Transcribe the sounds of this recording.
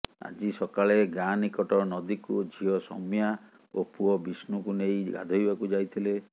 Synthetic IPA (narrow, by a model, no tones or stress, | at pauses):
a̰d͡ʒisɔkaɭeɡanikɔʈɔnɔd̪ikud͡ʒʱiɔsɔ̰mija | opuɔbisnukunejɡa̰d̪ʱɔjbakud͡ʒajt̪ʰile